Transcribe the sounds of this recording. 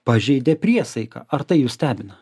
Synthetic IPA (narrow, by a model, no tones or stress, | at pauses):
pɐʒʲɛɪd̪ʲɛpʲɾʲiɛsɐɪkɐ̰ːɐɾt̪ɐɪjuːsʲt̪ʲæːbʲɪnɐ